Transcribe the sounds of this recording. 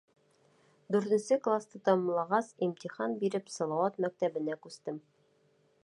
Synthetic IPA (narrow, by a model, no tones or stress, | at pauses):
d̪ʉɾt̪ɘ̆nsɘklˠast̪ɤt̪ɒmɤ̆mlˠɑʁɑsimt̪iχɑnbiɾɘpsɑlˠɑwɑt̪mæk̚t̪æbɘ̆nækʉst̪ɘm